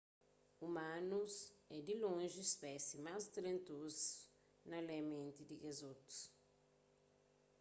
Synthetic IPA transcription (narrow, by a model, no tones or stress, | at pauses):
umãnusɛd̪ilõʒiispɛsimazt̪ɾẽnt̪uz | nɐlemẽnt̪id̪iɡezut̪u̥s